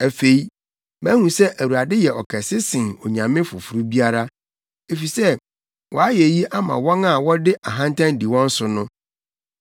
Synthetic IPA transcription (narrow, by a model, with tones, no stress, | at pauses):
æ˨fe˨i˦ | mæ̃˦hũ˨sɛ˦ʔæ˨wu˨ɾa˨dɪ˦jɛ˨ɔ˨kʰɛ˨sɪ˦sɪ̃˨nɔ˨ɲã˨mɪ̃˦fʊ˨fu˨ɾu˦bi˦a˦ɾa˦ | e˨fi˨sɛ˦ | wʔɔ˨a˦jɛ˨ji˦ʔa˦mã̰˨wɔ̃˦na˦˨wɔ˦dɪ˦ʔa˨ɦã˦ntʰã˦n˦di˨wɔ̃˦n̩˦sʊ˨nʊ̃˦